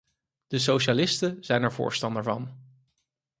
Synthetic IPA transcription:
d̥əs̬owʃalɪstənz̥ɛjnɛɹvʊ̰ːɹstɑndəɹvɑn

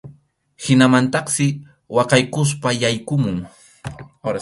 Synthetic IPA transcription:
hɪnamant̪ɑqsɪ | wɑqɑjkʊs̬pajajkʊmʊŋ

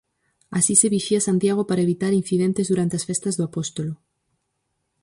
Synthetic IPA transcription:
asiseβiʃiasant̪jaɣ̞opaɾaeβit̪aɾin̟θiðent̪ezðuɾant̪easfest̪ɐzðoapost̪olo

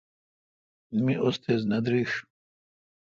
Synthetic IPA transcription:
nmiʔɔst̪ʰɛznad̪ɾiʂ

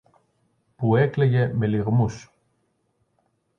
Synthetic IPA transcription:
puekleʝe̞me̞liɣmus

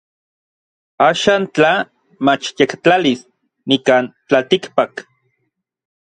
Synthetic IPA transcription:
aːʃaːnt͡ɬa | mat͡ʃjekt͡ɬalis | nikaːnt͡ɬalt̪ikpak

